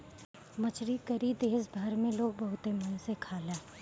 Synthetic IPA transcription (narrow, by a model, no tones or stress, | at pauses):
mɐt͡ʃɾikəɾid̪eːsbʱɐɾmẽloːɡ̚bɐɦʊt̪emɐnsekʰaːlẽː